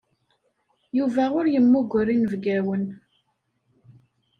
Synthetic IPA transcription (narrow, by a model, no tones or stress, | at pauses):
juvæʊɾjəmːʊɡʷəɾinvɡæwən